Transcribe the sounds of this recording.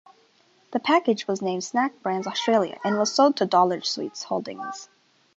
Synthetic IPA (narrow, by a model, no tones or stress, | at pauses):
ðɨpʰækɨd͡ʒwʌznẽɪ̃md̥snæk̚b̥ɹæ̃nzɔstɹ̥eɪlˠjɨ̰ʔɨ̃nwʌz̥soʊd̚tʰɨdɔlˠə̥˞ʒ̥swḭtshoʊlˠdɪ̰̃ŋz̥